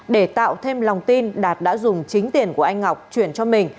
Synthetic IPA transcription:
ɗe˧˩t̪a̰ː˧˨wt̪ʰe˧mla˨˩wŋ͡mt̪i˧nɗaː˨˩t̚ɗa̰ː˧˥zʊ˨˩ŋ͡mt͡ɕï˨˦ŋ̟t̪i˨˩ənku˧˩əʔa˧jŋ̟ha˨˩wk͡p̚t͡ɕwi˧˩ənt͡ɕɔ˧mï˨˩ŋ̟

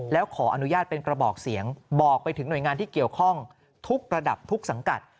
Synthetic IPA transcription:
lɛː˦˥wkʰɔː˩˦ʔa̰˧nu˦jaː˥˩t̪̚pe˧nkɾa˧bɔː˨˩k̚si˩˦əŋbɔː˨˩k̚pa˧jt̪ʰɯ˩˦ŋnu˨˩jŋaː˧nt̪ʰiː˥˩ki˨˩əwkʰɔ˥˩ŋ | t̪ʰu˦˥k̚ɾa˧da˨˩p̚t̪ʰu˦˥k̚sa˩˦ŋka̰˨˩t̪̚

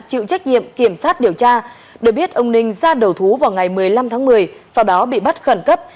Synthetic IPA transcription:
t͡ɕḭ˧˨wt͡ɕa˦˥k̟̚ɲḭ˧˨əmki˧˩əmsaː˦˥t̚ɗi˨˩əwt͡ɕaː˧ | ɗɨ˨˩k̚ɓi˦˥ət̚ʔə˧wŋ͡mnï˧ŋ̟zaː˧ɗə˨˩wt̪ʰu˨˦vaː˨˩wŋa˨˩jmɨ˨˩əjla˧mt̪ʰaː˨˦ŋmɨ˨˩əjsa˧wɗɔ˨˦ɓḭ˧˨ɓt̚xə˧˩nkə˦˥p̚

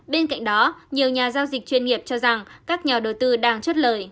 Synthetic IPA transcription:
ɓe˧nka̰˧˨ŋ̟ɗɔ˨˦ɲi˨˩əwɲaː˨˩zaː˧wzï˨˩k̟̚t͡ɕwi˧ənŋi˨˩əp̚t͡ɕɔ˧za˨˩ŋkaː˦˥k̚ɲa˨˩ɗə˨˩wt̪ɨ˧ɗaː˧ŋt͡ɕə˦˥t̚ləː˨˩j

